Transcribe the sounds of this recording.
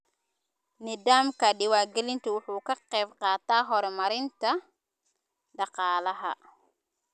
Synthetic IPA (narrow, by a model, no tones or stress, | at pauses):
nid̪aːmkɐɗɪwaːɡɛlɪnt̪ʰʊwʊħuːkɐqɛjbqɑːt̪aːɦɔɾmɐɾɪnt̪ʰɐ | ɖɑqɑːlɐɦɐ̰